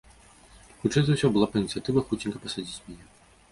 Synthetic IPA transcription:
xut͡ʂːɛjzɐwsʲɔbɨlˠapɐinʲit̪sɨjat̪ɨvɐxut͡sʲinʲkɐpɐsad͡zʲit͡sʲmʲnʲɛ

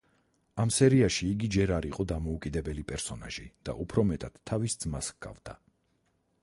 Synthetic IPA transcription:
amsɛɾiaʃiːɡid͡ʒɛɾaɾiqʼɔd̪amɔukʼid̪ɛbɛlipʼɛɾsɔna̰ʒ̥id̪̥a̰ʔupʰɾɔmɛt̪ʼad̪̥t̪ʰːavisd̪zmasɡ̥a̰vd̪̥a

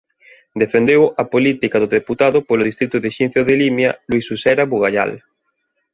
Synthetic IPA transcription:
d̪efend̪ewapolit̪ikaðoðeput̪aðʊpoloðist̪ɾit̪uðeʃinθjoðelimjalwisusɛɾaβuɣaʎa̰l

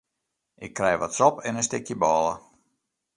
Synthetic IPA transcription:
ʔɪkːrɛjʋɔtsɔpɛnəstɪkjəbɔːlˠə̰

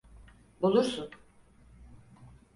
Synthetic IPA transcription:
bulˠuɾsun

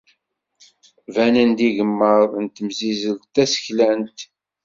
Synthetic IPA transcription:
vænænd̪iʝəmːəɾˤnt̪əmzizəlt̪æsə̥çlænt̪

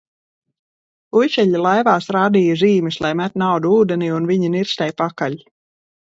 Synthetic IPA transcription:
ujʃɛʎʲilˠajvaːsɾaːd̪iːjaziːmislˠajmæt̪ʲnawd̪uuːd̪ɛniːunviɲiniɾst̪ɛjpakaʎ

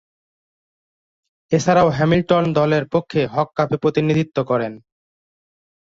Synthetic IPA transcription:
et͡ɕʰaɾaoɦɛmilʈond̪ɔleɾpokʰːeɦɔkːapepɾot̪inid̪ʱit̪ːokɔɾen

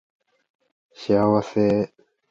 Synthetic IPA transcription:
ɕiawase

